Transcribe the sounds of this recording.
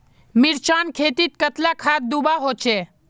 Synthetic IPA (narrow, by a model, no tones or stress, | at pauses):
miɾt͡ʃaːnkʰeːt̪it̪̚kət̪lakʰaːt̪̚d̪ubaɦoːt͡ʃeː